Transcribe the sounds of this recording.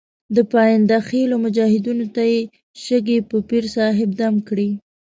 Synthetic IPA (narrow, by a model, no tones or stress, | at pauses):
d̪əpɑjand̪axelomʊd͡ʒɑhɪd̪unot̪aje | ʃəɡepəpiɾsɑɦɪb̚d̪amkɽi